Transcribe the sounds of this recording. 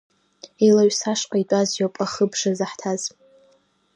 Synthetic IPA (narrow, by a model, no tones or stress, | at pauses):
elaɥsaʂqʼaitʷʼazjopʼaχəbʂazaħtʰaz̥